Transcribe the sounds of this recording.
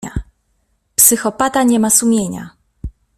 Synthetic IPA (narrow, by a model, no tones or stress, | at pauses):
a̰ | psɘxɔpat̪aɲɛmasumʲjeɲa̰